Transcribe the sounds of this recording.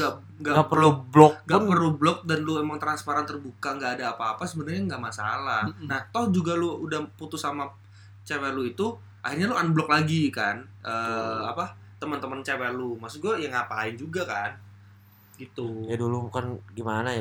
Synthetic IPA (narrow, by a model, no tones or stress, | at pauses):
a | ŋɡaʔɡapərlublɔŋɡapərlublɔk̚danluemaŋt̪ɾanspaɾant̪ərbukaŋɡaʔːdaːpaːpasəbənarɲaŋɡaʔmasa̰lahnaht̪ɔhd͡ʒuɡaluudahput̪ʊsama | t͡ʃawaluit̪u | ʔahirɲalʊanblɔk̚laɡikanʔəːapa | t̪əmənt̪əmənt͡ʃawalumasuɡuajaŋapaaɪnd͡ʒuɡakan | ɡit̪ujadulubukanɡimanaj